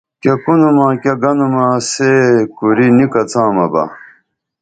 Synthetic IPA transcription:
kekunumãːkeɡɐnumãsekuɾinikɐt͡sãːmɐbɐ̰

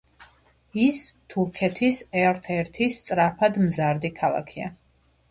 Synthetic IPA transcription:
ist̪ʰuɾkʰɛt̪ʰisɛɾt̪ʰɛɾt̪ʰist̪sʼɾapʰad̪mzaɾd̪ikʰalˠa̰kʰia̰

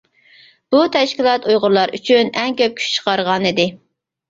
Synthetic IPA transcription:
b̥ut̪ʰɛʃkʲilˠɑt̪ujʁʊɾlˠɑɾyt͡ʃʰynɛŋkʲøp̚kʲʰy̥ʃt͡ʃʰə̥qʰɑɾʁɑnid̪ɪ

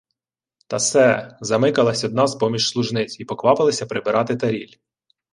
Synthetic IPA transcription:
t̪ɐsɛzɐmɪkɐlˠɐsʲɔd̪nɑspɔmʲiʃslˠʊʒnɪt͡s̪ʲipɔkʋɑpɪlˠɐsʲɐpɾɪbɪɾɑt̪ɪt̪ɐɾʲilʲ

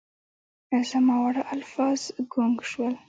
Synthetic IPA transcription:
ɪzamawaɽaʔalfɑz̥ɡʊŋɡʃwəl

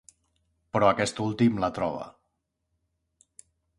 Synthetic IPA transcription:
pɾɔakɛst̪ulˠt̪imlat̪ɾɔβ̞ə̰

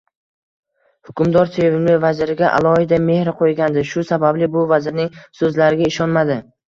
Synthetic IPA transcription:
hʊkʰʲʊmd̪ɒɾt̪ʰelevɪmlɪvazɪɾɪɡʲaʔa̰lˠɒhɪd̪ame̞hɾɪqʰojɡʲand̪ɪʃʊsabablɪbʊvazɪɾnɪŋsɵzlaɾɪɡʲaɪʃɒnmad̪ɪ

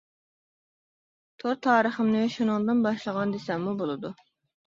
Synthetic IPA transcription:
t̪ʰoɾt̪ʰɑːɾəχəmnɨʃunɨŋd̪ɨnbɑʃlˠəʁɑnd̪esɛmːubolˠɨd̪u

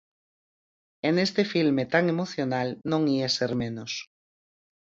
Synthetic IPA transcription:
enest̪efilmet̪aŋemoθjonalnõŋieseɾmẽnos

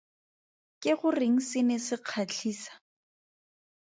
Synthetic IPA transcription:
kʼɪχʊreŋ̩sɪnɛsɪq͡χʰat͡ɬʰiːsḁ

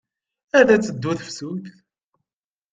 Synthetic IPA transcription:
æðæt͡sːəd̪ːuθəfsuθ

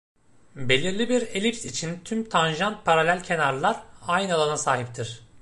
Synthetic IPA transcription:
be̞lʲiɾlʲibiɾe̞lʲip̚t̪it͡ʃʰint̪ʰymt̪ʰanʒanpʰaɾalʲælʲcʰe̞naɾlˠaɾajnalˠanasaːɦip̚t̪ʰiɾ̥

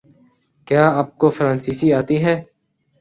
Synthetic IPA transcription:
kjaːaːp̚koːfɾãːnsiːsiaːt̪iːɦɛː

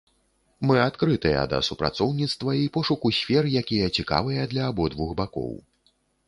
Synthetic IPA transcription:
mɨat̪kɾɨt̪ɨjɐ̰d̪ɐ̰supɾa̰t̪sɔwnʲit̪st̪vɐipɔʂukusʲfʲɛɾɨjakʲijɐt͡sʲika̰vɨjɐd̪lʲɐːbɔd̪vuxbakɔ̰w

